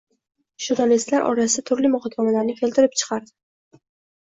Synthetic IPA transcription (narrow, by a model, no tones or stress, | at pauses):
ʒ̥ʊɾnalist̪laɾʔɒ̰ɾasɪd̪at̪ʰʊɾlɪmʊχɒkʲʰːamalaɾnɪkʲʰe̞lt̪ɪɾɪp̚t͡ʃʰɨ̥qʰɑɾd̪ɪ